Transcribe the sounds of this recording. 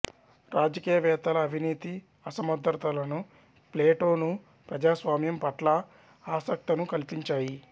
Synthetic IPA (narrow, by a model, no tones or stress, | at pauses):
ɾaːd͡ʒɐkiːjɐʋɛːt̪ɐlɐːbʱiniːt̪i | ɐsɐmɐd̪ɾɐt̪ɐlɐnu | pleːʈo̞ːnu | pɾɐd͡ʒaːsʋaːmjɐmpɐʈlɐ | aːsɐk̚t̪ɐnukɐlipiɲt͡ʃaːji